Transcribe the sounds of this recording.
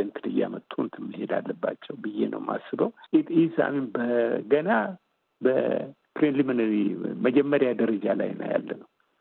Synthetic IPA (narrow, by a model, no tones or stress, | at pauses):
ənt̪ʰɨdɨjamət̪ʼʰːunt̪ʰɨmːɨhed̪a̰lːəbːat͡ʃːɛwbɨjːḛnʔə̰wmʔa̰sːɨbəwit̪ʼisa̰mimbəɡəna | bə | pɾenlimɨnəɾiməd͡ʒɛmːəɾjad̪əɾəd͡ʒala̰jnə̰ja̰lːənəw